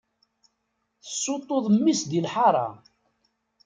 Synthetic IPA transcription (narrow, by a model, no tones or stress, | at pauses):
θə̥sˤːot̪ˤːoðˤmːisd̪ilħɑɾˤɑ̰